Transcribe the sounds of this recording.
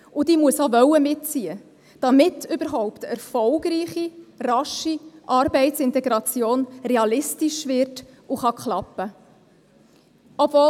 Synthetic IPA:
ud̪iːmuəsovœwəmɪtt͡siə | d̥ɑmɪtʏbəɾɦɔʊpt̪ɛɾfɔlɡɾiːχirɑʃiʔɑɾbɛɪtsɪnt̪ɛɡɾɑt͡sjoːnrɛɑlɪstiʃvɪɾt | uχɑkχlɑpːə | ɔbvoː

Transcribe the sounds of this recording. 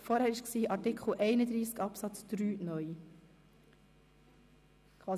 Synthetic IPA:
fɔɾhæːɾɪʃksiːʔɑɾtɪkχl̩ʔɛɪnəd̪ɾiːskɑpsɑt͡sd̪̥ɾyːnœʏ | kʰʋɑː

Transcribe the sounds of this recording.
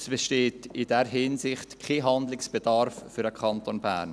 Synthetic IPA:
sb̥eʃteːtɪdɛɾɦɪnsɪχtkʰeɦɑnd̪lɪksb̥edɑɾfːyɾəkχɑntonbæ̰ːrn

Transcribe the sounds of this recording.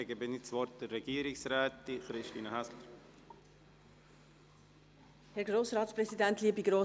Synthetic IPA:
ɛɡəbɪnit͡sʋɔɾt̚d̥ərːɛɡ̥iəɾɪksɾɛːtːiχɾɪʃtiːnəhæsləɾ | hɛɾɡɾoːsɾɑːt̪spɾɛsid̪ænt̪liːəbiɡɾoː

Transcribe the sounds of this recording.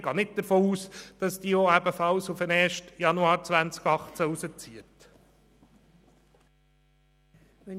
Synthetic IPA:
ɡ̥ɑːnɪt̚d̥əɾfoːuːsd̥ɑsd̥iːoæbəfɑlsufənɛːɾʃtjɑnuɑːɾt͡sʋænt͡skɑχt͡sæusət͡siət

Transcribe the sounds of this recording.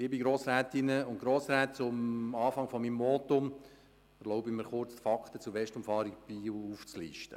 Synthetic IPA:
ɪbiɡɾoːsɾæːt̪ɪnəʊntɡ̥ɾoːsɾæːtt͡sʊmɑːfɑŋfɔmimːɔːt̪ʊm | ɛɾlɔʊbɪməɾχʊrt͡sfɑkχt̪ət͡suʋɛʃtʊmfɑːɾiɡb̥iːuft͡slḭːʃtə̰

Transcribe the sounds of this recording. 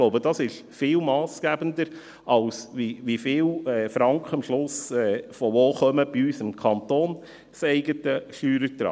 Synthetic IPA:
ɡloʊbəd̥ɑsɪʃ | fɪːlmɑːsɡ̥æbəndəɾ | ʔɑlsʋiʋifɪːlɛːfɾɑŋkʰəmʃlʊsɛːfɔʋoːχœməb̥iyːsɪmkʰɑntoːn | seɪɡətəʃyːɾəɾtɾɑ̰ː

